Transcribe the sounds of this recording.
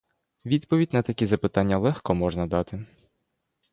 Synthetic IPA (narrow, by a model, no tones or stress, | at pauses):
ʋʲid̪pɔʋʲidʲnɐt̪ɐkʲizɐpɪt̪ɑnʲːɐlˠɛxkɔmɔʒnɐd̪ɑt̪ɪ